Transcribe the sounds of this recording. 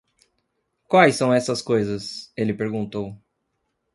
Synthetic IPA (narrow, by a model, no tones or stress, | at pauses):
kwajsːɐ̃w̃ɛsɐskojzɐselɪpeɾɡũnt̪ow